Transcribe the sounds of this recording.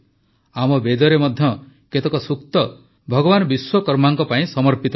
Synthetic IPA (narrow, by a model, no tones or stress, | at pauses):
amɔbed̪ɔɾemɔd̪ʱjɔ | ket̪ɔkɔsuk̚t̪ɔ | bʱɔɡɔβanɔbiswɔkɔɾmaŋkɔpaĩsɔmɔɾpit̪ɔ